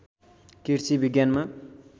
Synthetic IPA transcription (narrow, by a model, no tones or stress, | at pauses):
kiɾt͡sibiɡjanma